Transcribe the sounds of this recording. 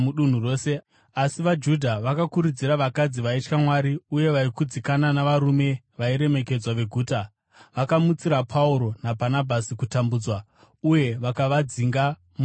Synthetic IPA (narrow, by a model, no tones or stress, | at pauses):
muɗun̤uro̞ːse̞ | asiʋad͡ʒudʱaʋakakuɾud͡ziɾaʋakad͡ziʋait͡ʃkamwaɾiuje̞ʋaikud͡zikananaʋaɾume̞ | ʋaiɾe̞me̞ke̞d͡zwaʋe̞ɡʱuːta | ʋakamut͡siɾapʰauɾo̞nabʱanabʱasikutambuːd͡zwa | uje̞ʋakaʋad͡ziŋɡa | mu